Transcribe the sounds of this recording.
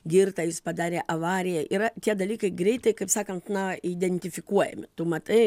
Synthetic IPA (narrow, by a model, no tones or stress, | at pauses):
ɡʲɪrt̪ɐjɪspɐd̪ɑːɾʲeːʔɐʋɑːɾʲɪjɛʔɪɾɐt̪ʲiɛd̪ɐlʲiːkɐɪɡɾʲɛɪt̪ɐɪkɐɪpsɑːkɐnt̪nɐid̪ʲɛnʲt̪ʲɪfʲɪkuɔjɛ̰mʲɪt̪uːmɐt̪ɐɪ